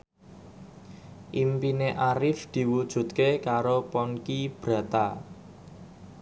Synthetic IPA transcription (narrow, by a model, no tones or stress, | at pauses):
ʔimpineʔaɾɪfd̪̥i̤wud̥ʒ̥ṳt̪̚kekaɾopɔnkib̥ɾä̤t̪a